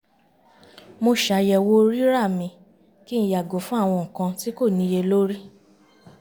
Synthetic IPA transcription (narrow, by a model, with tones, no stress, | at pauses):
mo˧ʃa˧jɛ˨wo˦ɾi˦ɾa˦˨mĩ˧ | ki˦ñ̩˨˦ja˨ɡo˨fũ˦a˦˨w̃ɔ̃˧ŋ̩˨kã˧ti˦ko˦˨nĩ˧˦je˧lo˦ɾi˦